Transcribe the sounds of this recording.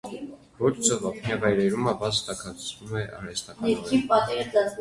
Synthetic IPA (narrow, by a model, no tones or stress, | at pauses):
vɔt͡ʃʰt͡sɔvɑpʰnjɑvɑjɾɛɾuməbɑt͡sʰt̪ɑkʰɑt͡svumɛʔɑ̰ɾɛst̪ɑkɑɛɾkʰipɑt̪ɛd̪ɑt͡s